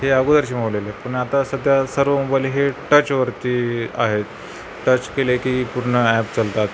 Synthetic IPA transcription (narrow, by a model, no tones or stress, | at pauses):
heaɡud̪əɾt͡ɕim̤oʋlelepəɳat̪asəd̪ʱjasəɾʋəmobajliɦeʈət͡ɕʋəɾt̪iːa̰ɦet̪ | ʈət͡ɕkelekiːpuɾɳəæpt͡səlt̪at̪